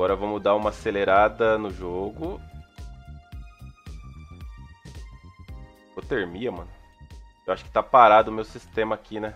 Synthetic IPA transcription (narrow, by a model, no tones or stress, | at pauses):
ɔɾɐvõmud̪aũmɐaseleɾad̪ɐnʊʒoɡʊ | vot̪eɾmiɐmɐ̃nʊewaʃʊ̥kɪ̥t̪apaɾad̪ʊʊmewsist̪ẽmɐːkʰinɛ